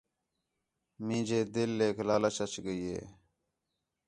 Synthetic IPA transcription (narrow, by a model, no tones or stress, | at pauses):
mĩːd͡ʑeːd̪ɪlːeːkʰlaːlət͡ʃət͡ʃɡəiḛː